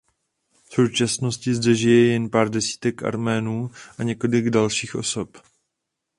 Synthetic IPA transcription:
fso̞wt͡ʃasno̞scɪzdɛʒɪjɛjɛnpaːɾdɛsi̥ːt̪ɛkʔa̰ɾmɛːnuːʔaɲɛko̞lɪɡdalʃiːxʔo̞̰so̞p

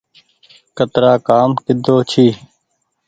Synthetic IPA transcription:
kət̪ɾaːkaːmkɪd̪ʱoːt͡ʃʰiː

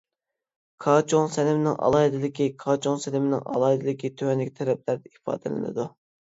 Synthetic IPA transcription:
kʰɑːt͡ʃʰoŋsɛnɪmɪnɪ̰ŋʔɑ̰lˠɑːɦɪd̪ɪlɪkʲikʰɑːt͡ʃʰoŋsɛlɪmɪnɪ̰ŋʔɑ̰lˠɑːɨd̪ɪlɪkʲit̪ʰøwɛnlːɪkʲt̪ʰɛɾɛp̚læɾd̪ɛipɑ̰ːd̪ɨlɪ̰nɨ̰d̪u

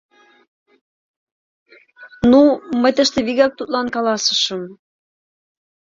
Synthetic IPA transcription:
numəjt̪əʃt̪eβiɣɑk̚t̪ut̪lɑnkɑlɑsə̥ʃə̆m

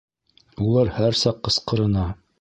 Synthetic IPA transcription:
ulˠɑɾhæɾsɑqːɤ̆sqɤ̆ɾɤ̆nɑ

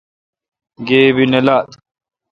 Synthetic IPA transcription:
ɡeːbinelat̪

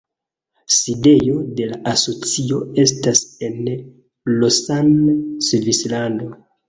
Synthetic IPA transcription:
side̞jo̞de̞laʔaso̞t͡sio̞e̞stase̞n | losansvislando̞

